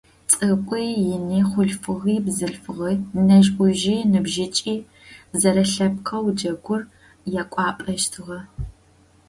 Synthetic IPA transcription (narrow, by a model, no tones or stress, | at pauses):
t͡sʼɨkʷʼijjɪniːχʷʊɮfɨʁiːbzɨɬfɨʁɐnɐʒʔʷʊʒiːnɨbʒɪt͡ʃʼiː | zɐɾɐɬɐp̚qʰɐwd͡ʒɐɡʷʊr | jɛkʷʼɑːpʼɐʃtʰɨʁɐ